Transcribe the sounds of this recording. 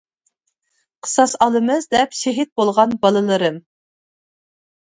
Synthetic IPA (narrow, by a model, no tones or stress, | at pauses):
qʰə̥sɑsɑlˠɨmɨzd̪ɛpʃeɦit̪̚bolˠʁɑnbɑlˠɨlˠɨɾɨm